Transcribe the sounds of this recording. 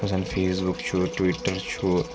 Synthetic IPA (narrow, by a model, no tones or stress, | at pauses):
ɐsanfʰeːsbukt͡ʃʰuʈwiʈːəɾt͡ʃʰu